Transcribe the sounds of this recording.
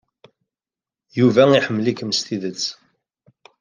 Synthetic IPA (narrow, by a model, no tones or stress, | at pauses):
juvæiħəmːlikmst̪iðət͡sː